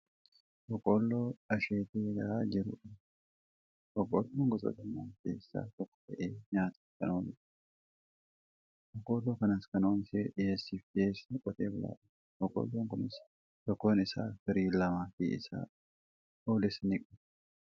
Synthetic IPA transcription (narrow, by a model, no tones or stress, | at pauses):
ʔɔkʼoːlːoːɐʃeːt̪eːɡɐʔaːd͡ʒɪɾʊ̰ᶑɐ | ʔɔkʼolːoːŋɡɔsʼɔ̰t̪ɐmːaːnkḛːsːa̰ːt̪ɔkːɔ̥t̪ɐʔeːɲaːt̪ɐ̥kɐnoːnɪsɐ̥ | ʔɔkʼːoːlːoːkɐnɐskɐnoːnseᶑɪjeːsːiːfdeːsnɪkʼɔt̪eːbɪla̰ːᶑɐ̥ | ʔɔkʼo̰ːlːoːŋkʊnɪs | t̪ɔkːo̞ːnɪsa̰ːfɪɾiːlːɐmaːfḭːɪ̰sa̰ː | oːlɪsnɪkʼɔ̥